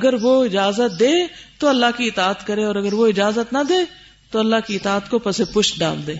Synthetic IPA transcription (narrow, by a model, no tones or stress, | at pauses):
ɐɡəɾʋoɪd͡ʒaːzət̪̚d̪eːt̪oɐlːaɦkiɪt̪aːət̪kɐɾẽɔːɾɐɡəɾʋoɪd͡ʒaːzət̪nɐd̪eː | t̪oɐlːaɦkiɪt̪aːət̪kopɛsepʊʃɖa̰ːld̪eː